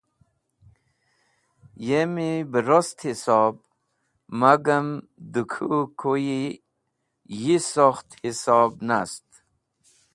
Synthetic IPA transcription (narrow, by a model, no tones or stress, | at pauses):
jemibəɾost̪hisɔb̚ | maɡəm | d̪ukʰukʰoji | jisoxt̪hisɑːbnast̪